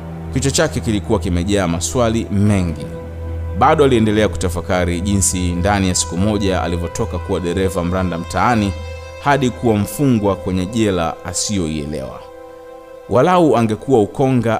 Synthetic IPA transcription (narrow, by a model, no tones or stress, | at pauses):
kit͡ʃɔt͡ʃakɛkilikuwakimɛʄaamaswalimɛŋɡi | ɓaɗɔaliɛndɛlɛaku̥tafakaɾiʄinsindanijasi̥kumɔʄaa̰livɔtɔkakuwaɗɛɾɛvam̩ɾandam̩taani | haɗikuwaɱ̩fuŋɡwakwɛɲɛʄɛla̰asijɔḭɛ̰lɛ̰wa̰ | wʔalauaŋɡɛkuwaukɔŋɡa